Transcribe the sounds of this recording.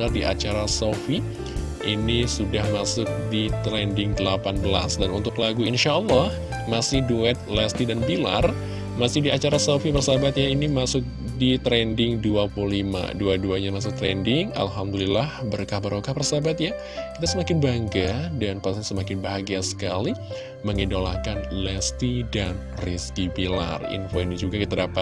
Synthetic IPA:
ardiʔa̰t͡ʃaɾasofi | inisudahmasʊk̚dit̪ɾɛndɪŋdəlapanbəla̰sdanunt̪ʊklaɡuinʃalːɔh | masɪhduɛt̪̚lɛst̪idanbila̰r | masɪhdiat͡ʃaɾasofipərsabat̪̚jainimasʊk̚ | dit̪ɾɛndɪŋduapululima̰duaduaɲamas̬ʊk̚t̪ɾɛ̰ndɪŋa̰lɦamdulilahbərkahbaɾʔokahpərsabat̪̚ja | kit̪asəmakɪnbaŋɡadanpasaɲasəmakɪnbaɦaɡiasə̥kali | məŋidola̰kanlɛst̪idan | riskibila̰rḭnfoinid͡ʒuɡakit̪adapat̪̚

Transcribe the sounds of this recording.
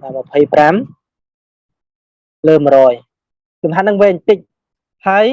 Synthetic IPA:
maməpʰəjpram | ləːmrɔːj | kumɦat̪̚nɨŋʋɛːɲt̪ɨc̚ | haəj

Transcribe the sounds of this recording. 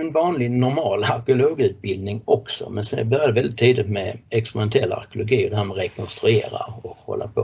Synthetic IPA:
ɛnvɑːnlɪnʊɾmɑːlaɾkɪʊloːɡʉ̟ːt̪̚bɪld̪nɪŋɔksɔ̰mɛnsɛ̰nbœɾjad̪əvɛld̪ɪt̪ʰːiːd̪ɪt̪mɛɛkspɾɛmɛnt̪ʰɛlːaa̰ɾkʊlʊɡiːɔd̪ɛhæːɾmɛɾɛkʰɔnst̪ɾɵeːɾa̰ɾɔkhɔ̰lːa̰ɾpʰo

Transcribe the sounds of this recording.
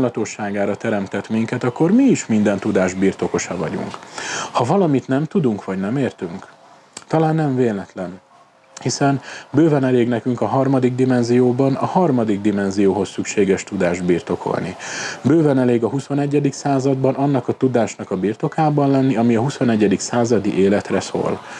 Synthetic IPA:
mlɒt̪o̞ʃːaːɡaːɾɒt̪ɛɾɛmt̪ɛt̪miŋkɛt̪ɒkːo̞rmiːʃmind̪ɛnt̪ud̪aːʒbiːrt̪o̞ko̞ʃɒvɒ̰ɟṵŋkhɒvɒlɒmit̪nɛmt̪ud̪uŋkʋɒɟnɛmeːrt̪yŋk | t̪ɒlaːnːɛɱveːlnɛt̪lɛn | hisɛnbøːvɛnɛleːɡnɛkyŋkɒɦɒrmɒd̪iɡ̚d̪imɛnzijoːbɒnɒhɒrmɒd̪iɡd̪imɛnzijoːɦo̞sːykʃeːɡɛʃt̪ud̪aːʒd̪biːrt̪o̞kʰo̞̰lnḭbøːvɛnɛleːɡɒɦusonɛɟːɛd̪iksaːzɒd̪bɒnɒnːɒkɒt̪ud̪aːʃnɒkɒbiːrt̪o̞kaːbɒnlɛnːiɒmiɒɦusonɛɟːɛd̪iksaːzɒd̪iʔeːlɛt̪rɛso̰ːl

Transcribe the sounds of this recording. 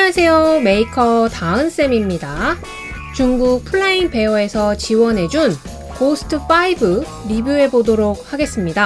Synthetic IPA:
ansʰe̞ome̞ikʰʌtaɯns͈e̞mimɲida | t͡ɕuŋɡuk̚pʰuɭːainpe̞oe̞sʰʌt͡ɕiwʌnɦe̞d͡ʑun | posʰɯ̥tʰɯf͈aibɯ | ɾibjue̞bodoɾok̚haɡe̞s͈ɯmɲida

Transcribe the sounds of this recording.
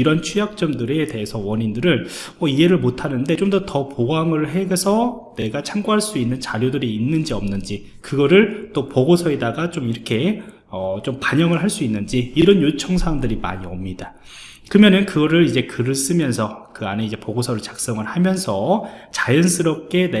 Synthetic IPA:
iɾʌnt͡ɕʰujak̚t͡ɕ͈ʌmdɯɾe̞te̞ɦesʰʌwʌɲindɯɾɯn | ʌie̞ɾɯɭmotʰanɯnde̞t͡ɕomdʌtʌpoɡaŋɯɭɦe̞ɡsʰʌne̞ɡat͡ɕʰaŋɡoɦaɭs͈uinːɯnt͡ɕaɾjodɯɾiːnːɯnd͡ʑiʌmnɯnd͡ʑi | kɯɡʌɾɯɭt͈opoɡosʰʌe̞daɡat͡ɕomiɾʌkʰe̞ | ʌt͡ɕompaɲʌŋɯɭɦaɭs͈uinːɯnd͡ʑiːɾʌnjot͡ɕʰʌŋsʰaamdɯɾima̰ɲiʌmɲida | kɯɾɯmjʌnɯnkɯɡʌɾɯɾid͡ʑe̞kɯɾɯs͈ɯmjʌnsʰʌkɯa̰ne̞id͡ʑe̞poɡosʰʌɾɯɭt͡ɕak̚s͈ʌŋɯɭhamjʌnsʰʌt͡ɕajʌns͈ʰɯɾʌp̚k͈e̞ne

